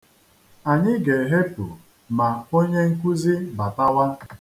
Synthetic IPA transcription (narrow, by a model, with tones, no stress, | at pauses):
a˨ɲɪ˦ɡe˨ɦe˦pʊ̰˨ | ma˨o˦ɲe˦ŋ̩˦kʷu˦zi˦ba˨ta˦wa˦